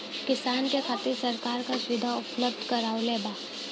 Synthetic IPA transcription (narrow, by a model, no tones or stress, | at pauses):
kɪsaːnkekʰaːt̪iɾsɐɾkaːɾkasʊʋɪd̪ʱaʊpləb̚d̪ʱkɐɾaːʊleːbaː